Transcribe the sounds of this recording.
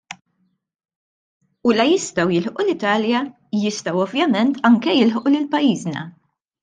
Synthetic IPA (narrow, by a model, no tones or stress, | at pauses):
ulɐjɪst̪ɐwjɪlħʔulɪt̪ɐːljɐ | jɪst̪ɐwɔvjɐmɛnt̪ɐŋkɛjɪlħʔulɪlpɐjiːznɐ̰